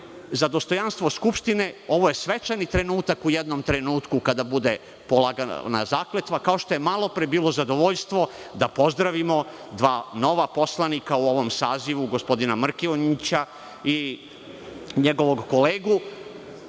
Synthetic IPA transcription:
zad̪o̞st̪o̞janst̪ʋoskupʃt̪ineo̞ʋoje̞sʋet͡ʃanit̪ɾe̞nuːt̪akujed̪no̞mt̪ɾe̞nuːt̪kukad̪abud̪e̞ | polˠaɡana̰zaːklet̪ʋakao̞ʃt̪o̞je̞malˠo̞pɾebiːlˠo̞zad̪o̞ʋoʎst̪ʋo̞d̪apo̞zd̪ɾaʋimo̞ | d̪ʋaːno̞ʋapo̞slˠanikauoʋo̞msaːziʋuɡospo̞d̪inamr̩kioɲit͡ɕa | i | ɲeɡo̞ʋo̞ɡko̞leːɡu

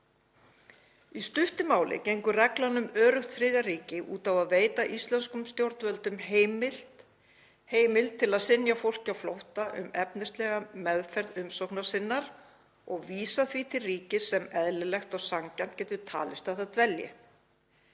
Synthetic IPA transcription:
ist̪ʏht̪ʏmaːwlɪ̰cejŋkʏrɛklanʏmœːɾʏht̪fɾɪːðariːcɪʔṵːt̪avaðveːjt̪aʔist̪lanskʏmst̪jowɾt̪vœlt̪ʏmɦemɪl̥ | heːjmɪlt̪ʰːɪlaðsɪnjafowl̥cawflowht̪aʔʏ̰mɛpnɪst̪lɛɣamɛðfɛɾðʏmsowknaɾ̥sɪnːaɾ | ɔɣviːsaθvit̪ʰɪlriːcɪsɛmɛðlɪlɛxt̪ɔɣsaŋcan̥t̪̚cɛːt̪ʏt̪ʰa̰ːlɪst̪aθaðt̪vɛljɪ̰

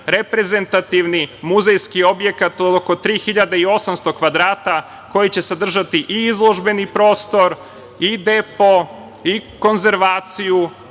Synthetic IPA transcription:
ɾe̞pɾe̞ze̞nt̪at̪iʋnimuzejskio̞bje̞kat̪od̪oko̞t̪ɾiːxiʎad̪eio̞samst̪o̞kʋad̪ɾaːt̪a | ko̞jit͡ɕe̞sad̪r̩ʒat̪iʔiizlˠo̞ʒbe̞nipɾo̞ːst̪o̞ɾ | id̪epo̞ | iko̞nze̞ɾʋaːt̪siju

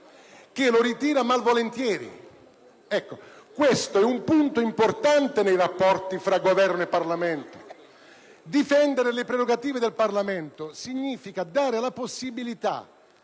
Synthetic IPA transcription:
k̟ɪloɾit̪iːɾamalvolent̪jɛːɾḭ | ɛkːokwest̪oɛumpunt̪oimport̪ant̪enejrapːɔrt̪ifɾaɡovɛrnoepːarlament̪o̥ | d̪ifɛnd̪eɾelɪpɾeɾoɡat̪iːved̪elparlament̪osiɲːiːfikad̪aːɾelaposːibilit̪a̰

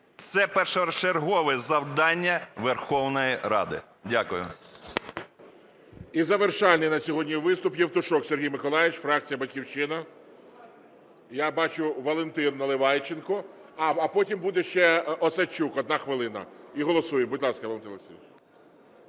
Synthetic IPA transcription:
t̪sɛpɛrʃɔɾt͡ʃerɦɔʋɪzɐwd̪ɑnʲːɐʋerxɔwnɔjiɾɑ̰d̪ɪ̰ | dʲakʊjʊ̰ | izɐʋerʃɑlʲnɪjnɐsʲɔɦɔdʲnʲiʋɪst̪ʊpjɛwt̪ʊʃɔksʲerɦʲijmɪkɔlˠɑjʲɪt͡ʃfɾɑk̚t͡sʲijɐbɐtʲkʲiwt͡ʃɪnɐ | jabɑt͡ʃʊʋɐlˠent̪ɪnːɐlˠɪʋɑjt͡ʃːenkɔɐːpɔtʲimbud̪ɛʃt͡ʃɛɔsɐt͡ʃːukɔd̪nɑxʋɪlˠɪnɐ̰iɦɔlˠɔsujembʊdʲlˠɑskɐʋɐlˠent̪ɪnsʲit͡ʃ

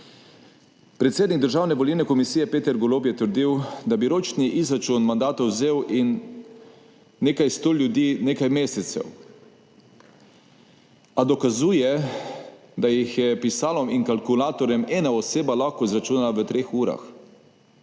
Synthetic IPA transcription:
pɾɛt̪seːd̪niɡ̚d̪əɾʒaːwnɛʋɔlilnɛkɔmisijɛpeːt̪ɛɾɡɔlopjɛt̪əɾd̪iwd̪abiɾoːt͡ʃniʔizɾat͡ʃunmand̪aːt̪ɔwzeːwʔin | eːkajst̪oːljud̪iːneːkajmeːsɛt̪sɛ̰w | ad̪ɔkazuːjɛ | d̪ajixjɛpisaːlɔmiŋkalkulaːt̪ɔɾjɛmɛːnaɔseːbalaxkɔizɾat͡ʃuːnalaʋət̪ɾeːxuːɾa̰x

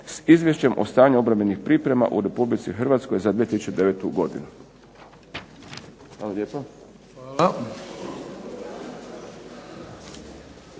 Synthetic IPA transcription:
sizʋjeʃt͡ɕe̞mʔo̞̰st̪aːɲuo̞bɾamenixpɾipɾe̞ma̰ʔṵɾe̞publit̪sixərʋat̪skojzad̪ʋiet̪isut͡ʃed̪eʋeːt̪uɡo̞d̪ḭnu | xʋaːlaleːpo

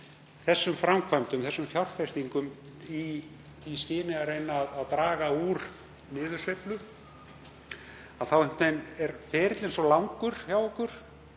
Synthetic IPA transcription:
θɛsːʏmfɾamkʰvajmt̪ʏmθɛsːʏmfjawr̥fɛst̪iŋkʏm | i | iscɪːnɪarejnaːðːðt̪ɾaːɣauɾ | nɪːðʏ̥svejplʏ | aðθawhɛm̥t̪ejnɛɾfɛːɾɪt̪lensɔlawŋkʏɾ̥fjawɔkʏɾ̥

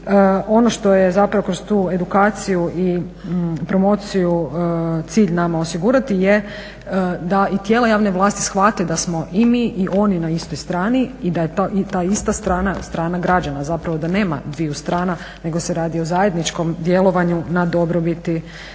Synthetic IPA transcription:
o̞no̞ʃt̪o̞jezapɾaʋo̞kɾo̞st̪uːe̞d̪ukaːt̪sijuʔi | pɾo̞mo̞t̪sijut̪siːʎnamaosiɡuɾat̪ije | d̪ait̪jeːlˠajaːʋneʋlˠaːst̪i̥sxʋat̪ed̪asmo̞ʔimiʔiʔo̞ninaist̪ojst̪ɾaːniːd̪ajet̪at̪aist̪ast̪ɾaːnast̪ɾaːnaɡɾad͡ʑanazapɾaʋo̞d̪ane̞ːma̰d̪ʋijust̪ɾaːna | ne̞ɡo̞seɾaːd̪io̞zaje̞d̪nit͡ʃko̞md̪je̞lˠo̞ʋaɲunad̪o̞bɾobit̪i

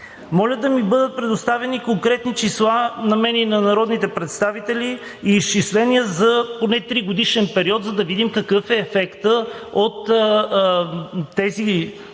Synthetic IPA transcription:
mɔlʲəd̪ɐmibɤd̪ət̪̚pɾɛd̪ost̪avɛnikoŋkɾɛt̪nit͡ʃislˠanɐmɛninɐnɐɾɔd̪nit̪ɛpɾɛt̪st̪avit̪ɛliːst͡ʃislɛniəzɐponɛt̪ɾiɡod̪iʃɛnpɛɾiɔt̪zɐd̪ɐvid̪imkɐkɤfɛːfɛkt̪əot̪ | t̪ːɛzi

